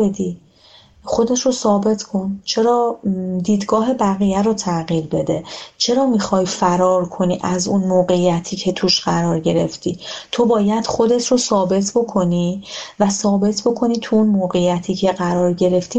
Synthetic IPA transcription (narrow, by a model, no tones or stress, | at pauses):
ed̪i | χo̞d̪e̞t̪ʰɾosɒːbe̞t̪ʰkʰo̞nt͡ʃʰe̞ɾɒːd̪iːd̪ɡɒːɦe̞bæɣijæɾot̪ʰæɣiːɾbe̞d̪e̞t͡ʃʰe̞ɾɒːmixɒːjfæɾɒːɾkʰo̞niːʔæzunmoːɣe̞jæt̪ʰiːcʰet̪ʰuʃɢæɾɒːɾɟe̞ɾe̞ft̪ʰiːt̪ʰo̞bɒːjæd̪̥χo̞d̪e̞t̪ʰɾosɒːbe̞t̪ʰbo̞kʰo̞niːvæsɒːbe̞t̪ʰbo̞kʰo̞niːt̪ʰuunmoːɣe̞jæt̪ʰiːcʰe̞ɣæɾɒːɾɟe̞ɾe̞ft̪iː